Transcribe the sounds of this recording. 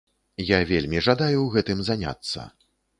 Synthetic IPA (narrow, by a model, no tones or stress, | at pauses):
javʲelʲmʲiʐad̪ajuwɣɛt̪ɨmzanʲa̰t̪sːɐ̰